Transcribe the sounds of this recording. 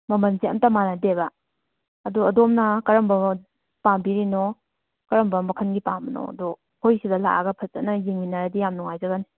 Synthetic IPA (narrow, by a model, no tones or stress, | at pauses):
mɐmɐnzeɐ̰mtɐmanadebɐː | duɐdɔmnɐkɐɾɐmbɐ | pambiɾinɔ | kɐɾɐmbɐmɐkʰɐnɡipambɐno̰ɐ̰du | hojsidɐla̰ʔa̰ɡɐpʰɐsanɐjiŋminaɾadijamnuŋajzɐɡani